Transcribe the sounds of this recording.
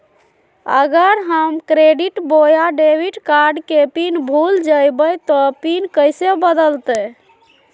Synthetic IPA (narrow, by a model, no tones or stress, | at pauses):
ə̰ɡəɾɦəmkɾeɖiʈbojaɖebʱiʈkaɾɖkepinbʱuld͡ʒəjbət̪ɔpinkəjsebəd̪əlt̪ə